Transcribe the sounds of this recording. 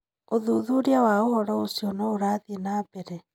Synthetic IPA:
oðuðuɾiawaohɔɾɔosijɔnɔoɾaːðenaːbɛɾɛ

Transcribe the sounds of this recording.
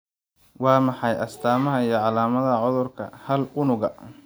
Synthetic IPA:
wɑːmɑħɑjʔɐst̪ʰaːmɐɦɐijɞʕɑlaːmɐðɐʕʊðʊrkʰɐhɐlʊnʊɣɐ̰

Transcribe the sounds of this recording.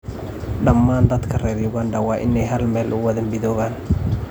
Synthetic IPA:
ɖɐmːaːnd̪ɐd̪kʰɐrɛːrjʊɣand̪ɐwɑːʔɪ̰nɛjɦɐlmɛːlʔʊwɐðɐmmɪðɔːɣaːn

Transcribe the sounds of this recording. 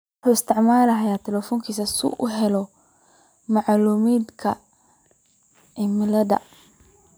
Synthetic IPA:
wʊħuːɪst̪ʰɪʕmaːlɐɦɐjaːt̪ʰɛlɛfɔːŋkʰiːsɐsʊ̰ʔʊɦɛlɔ | mɑʕluːmiːd̪kʰɐ | ɪmɐlɐðɐ̰

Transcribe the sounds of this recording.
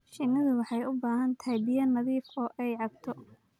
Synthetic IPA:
ʃɪnɐðʊwɑħɑjʊbaːɦɐnt̪ʰabɪjɐnːɐðiːfɔːʔɛjʕɑb̚t̪ʰɔ

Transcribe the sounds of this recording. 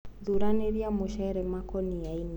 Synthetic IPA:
ðuɾaneɾjamoʃɛɛɾɛmakɔniain

